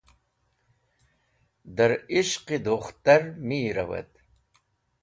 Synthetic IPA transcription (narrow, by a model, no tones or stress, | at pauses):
d̪əɾiʃqid̪oχt̪ɐrmiːɾɐ̰wɐ̰t̪